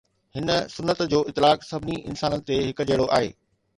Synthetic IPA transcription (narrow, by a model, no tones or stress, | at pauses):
hɪnəsʊnːət̪d͡ʑoːʔɪt̪ːɪlaːksɐbʱɪniɪ̰nsaːnənɪ̆t̪eɦɪkd͡ʑeːɽoʔa̰ːɦḛː